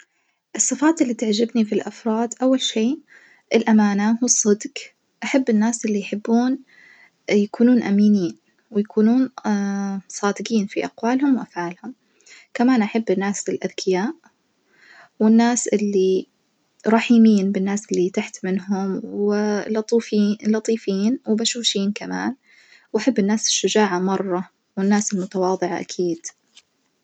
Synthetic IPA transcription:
ʔɨsˤːɨfaːt̪ɪlːit̪aʕd͡ʒɪbnifilʔafɾˤɑːd̪ʔawːalʃiː | ʔɪlʔamaːnahusˤːɨd̪ɡ | ʔaħabːɪnːaːsʔɪlːijħɪbːuːn | jakuːnuːnʔamiːniːn | wɪjakuːnuːn | sˤɑːd̪ɪɡiːnfiʔaqwaːlhʊmwʔafʕaːlhʊm | kamaːnʔaħabːɪnːaːsɪlʔaðkʰɪjaːʔ | wɪnːaːsʔɪlːi | ɾˤɑħiːmiːnbɪnːaːsʔɪlːit̪aħt̪mɪnɦʊmwɪlɑt̪ˤiːfiːlɑt̪ˤiːfiːnwɪbaʃuːʃiːnkama̰ːn | wʔaħabːɪnːaːsɪ̥ʃːʊd͡ʒaːʕamɑrˤːɑ | wɪnːaːsɪlmʊt̪awɑːðˤɨʕa̰ʔa̰kʰiːd̪̥

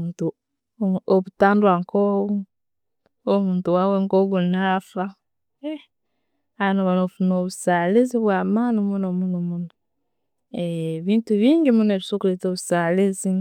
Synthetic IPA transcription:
uːntu | oβutaːndwaŋkoβu | omuːntuwaweŋkoɡunafa | e | anoβanofunoβusaliziβwaːmanumunomunomuno | eβiːntuβiːŋɡimuneβisokuletoβusalezi

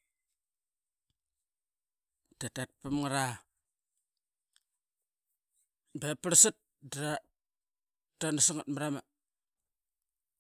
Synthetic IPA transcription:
tatat̚pəmŋaɾa | bepəɾsit̚ | dɾa | tanəsiŋat̚məɾama

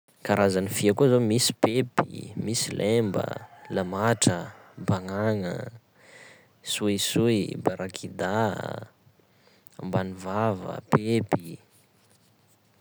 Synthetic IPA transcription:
kaɾazanifiakuazomisi̥pepḭmisilʔembə̰lamaʈ͡ʂəbaŋaŋə̰ | suisuibaɾʔakʰid̪a̰ | mbanivavə̰pepi

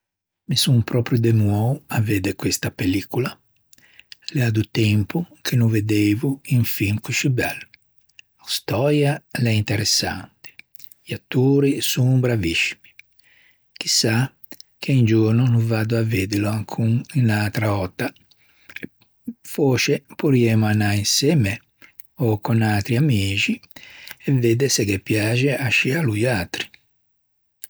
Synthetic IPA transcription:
misuŋpɾɔpɾjud̪emwɔwaved̪ɛkwest̪apelikula | lɛad̪ut̪ɛmpukʰenuved̪eːvuiɱfiŋkuʃibɛlː | ast̪ɔɾjalɛint̪ɛɾɛsːa̰nt̪i̥ | iat̪ːoːɾisuŋubɾaviʃːi̥mi | k̟isa | k̟ʰeind͡ʒuɾnunuvad̪uaved̪iloaŋkʰuŋinat̪ɾaɔt̪ːa | foːt͡ʃepuɾiɛmanainsɛme | ɔkɔnat̪ɾiamiːd͡ʒiɛved̪esɛkɛpːjaːd͡ʒeʔaʃialujaːt̪ɾi̥

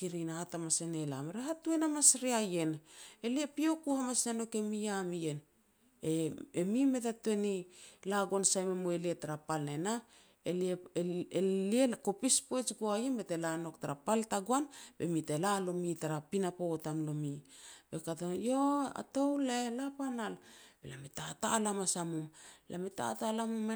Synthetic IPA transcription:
kiɾinaatamasenela̰meɾeɦatue̞namasɾiaje̞neliepio̞kuhamasnano̞ke̞miamije̞n | eemime̞tate̞nilaɡansajmemoelietaɾapalnena | elie | lieko̞pispoet͡ʃɡoajenbete̞lano̞ktaɾapaltaɡoanbe̞̰mitelalo̞mitaɾapinapotamlo̞mib̥e̞katajoa̰towlaelapanalb̥elametatalamasamumla̰meta̰talamuma

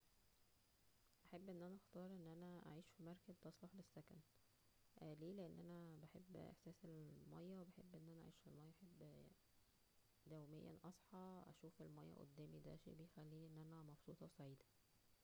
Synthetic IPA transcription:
ʔaħebːʔenːʔænæʔɑxt̪ɑːɾˤʔenːʔænæʔa̰ʕiːʃfimɑɾˤkæzt̪ɑsˤlɑħlesːækæ̰n | ʔæleːleʔenːʔænæbeħebːʔḛħsæːselmɑjːæwebeħebːʔenːʔænæʔa̰ʕiːʃfilmɑjːɑʔħebː | d̪æwmejːæ̰nʔɑsˤħɑʔæ̰ʃuːfelmɑjːæ̰ʔo̰d̪ːæːmid̪æ̰ːʃḭbejxælːiːniʔenːʔænæmɑbsˤuːt̪ˤɑwsˤɑʕiːd̪æ

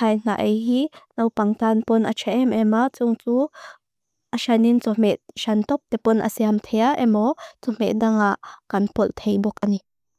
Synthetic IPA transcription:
ajn̥a̰ʔejɦinowpaŋt̪anpɔnʔa̰t͡ʃʰɛʔɛmʔɛmaʔt͡sʊŋt͡su | ʔaʃanint͡sɔm̥ɛt̪̚ʃɐnt̪ɔp̚t̪ɛpʊnʔa̰siamt̪ʰɛjaʔɛmɔt͡sɔm̥ɛ̰ʔ̚daŋaʔkɐnpɔlt̪ʰejbɔk̚ʔani

